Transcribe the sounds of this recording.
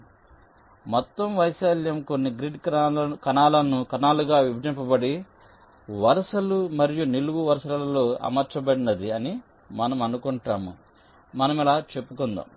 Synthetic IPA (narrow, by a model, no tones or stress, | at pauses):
mɔt̪ːɐmʋɐjsaːljɐmko̞nːiɡɾiɖkɐnaːlɐnːukɐnaːluɡaːʋibʱɐd̪impɐbɐɽi | ʋɐɾɐsɐlumɐɾijuneluɡuʋɐɾɐsɐlɐlɐlo̞ːɐ̰mɐɾt͡ʃɐbɐɽinɐd̪iɐni | mɐnɐmɐnukuɳʈaːmṵ | mɐnɐmɛlaːt͡ʃe̞pːukund̪a̰